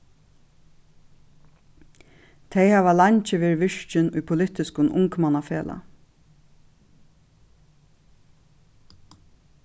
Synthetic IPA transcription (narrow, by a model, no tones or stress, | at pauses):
t̪ʰejhaːʋalaɲt͡ʃɪʋɪɹʋɪʂt͡ʃɪnṵjpʰʊlɪt̪ɪskʊnʔʊŋkmanafeːlʔa̰